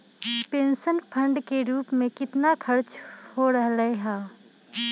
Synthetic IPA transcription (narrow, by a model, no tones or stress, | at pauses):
pẽːnʃənpʰə̃ɳɖkeɾuːpmẽkɪt̪nakʰɐɾt͡ʃhoɾəɦləeɦaː